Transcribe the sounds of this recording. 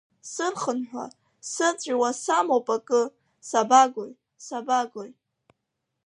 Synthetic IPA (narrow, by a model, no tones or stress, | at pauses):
sɨrχənħʷᶣa̰ | sɨt͡sʷʼwasamopʼakʼɨ | sabaɡoj | sabaɡoj